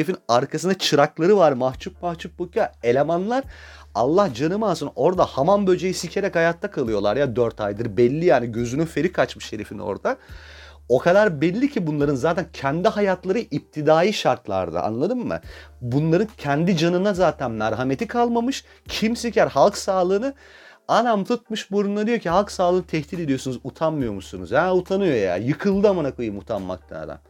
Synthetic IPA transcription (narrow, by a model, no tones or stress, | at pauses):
efinaɾkʰasɯnd̪at͡ʃʰɯɾaklˠaɾɯvaɾmaht͡ʃʰup̚maht͡ʃʰup̚bukʰae̞lʲemanlˠaɾ | alˠːahd͡ʒanɯmansɯno̞ɾd̪ahamanbø̞d͡ʒejisicʰeɾɛchajat̪ʰːakʰalˠɯjo̞lˠaɾjad̪øɾt̪ʰajd̪ɯɾbɛlʲːijaːniɟø̞zynyfe̞ɾikʰat͡ʃmɯʃe̞ɾefino̞̰ɾd̪a | o̞kʰad̪aɾbɛlʲːicʰibunlˠaɾɯnzaːt̪ʰæncʰɛnd̪iɦajat̪ʰlˠaɾɯʔip̚t̪ʰid̪aːjiʃaɾt̪lˠa̰ɾd̪a̰ʔa̰nlˠad̪ɯmːɯ̰bunlˠaɾɯncʰɛnd̪id͡ʒanɯnazaːt̪ʰænmæɾɦamet̪ʰikʰalˠmamɯʃ | cʰimsincʰæɾhalˠksaːlˠɯːnɯ | anamt̪ʰut̪̚mɯʃboɾund̪ad̪ijo̞cʰihalˠksaːlˠɯːnɯt̪ʰɛçt̪ʰiːle̞d̪ijo̞sunuzut̪ʰanmɯjo̞musunṵzjaut̪ʰanɯjo̞ja̰jɯkʰɯlˠd̪ɯamanakɯjɯmut̪ʰanma̰k̚t̪ʰa̰d̪a̰